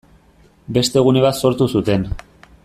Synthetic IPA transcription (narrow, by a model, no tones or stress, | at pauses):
be̞st̪e̞ɣ̞une̞β̞at̪so̞ɾt̪usut̪e̞n